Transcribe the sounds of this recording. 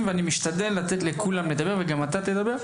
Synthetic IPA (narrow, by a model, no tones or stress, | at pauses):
mveanimiʃt̪ad̪e̞lːat̪et̪lekulamled̪abe̞ʁveɡamat̪at̪e̞d̪abe̞ʁ